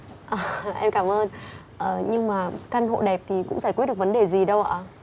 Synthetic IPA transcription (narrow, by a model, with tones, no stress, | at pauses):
ʔəː˨˩ʔɛ˧mkaː˧˩mʔəː˧n | ʔəː˨˩ɲɨ˧ŋmaː˨˩ka˧nɦo̰˧˨ɗɛ˨˩p̚t̪ʰi˨˩kʊ̰˧˥ŋ͡mfaː˧˩kwi˦˥t̚ɗkvnɗe˨˩zi˨˩ɗə˧wʔa̰ː˧˩